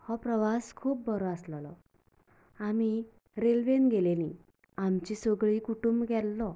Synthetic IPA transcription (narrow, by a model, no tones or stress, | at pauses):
hɔpɾəʋaskʰuːp̚bəɾɔaslɔlɔ̰ | ami | ɾelʋenɡelelĩ | amt͡ɕisəɡɭiːkuʈumbɡɛlːɔ